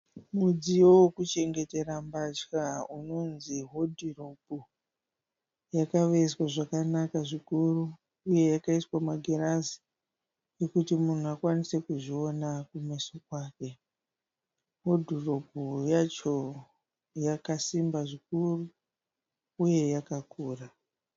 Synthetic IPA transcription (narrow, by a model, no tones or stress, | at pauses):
mud͡zijowokut͡ʃe̞ŋɡe̞te̞ɾambat͡ʃkauno̞nziɦo̞dʱiropu | jakaʋe̞swaʐakanakaʐikuru | uje̞jakaiswamaɡʱerazi̥ | jekutimun̤uakwanise̞kuʐio̞nakumesokwaːke̞ | ɦo̞dʱirobujat͡ʃo̞ | jakasimbaʐik̚uru | je̞jakakuːra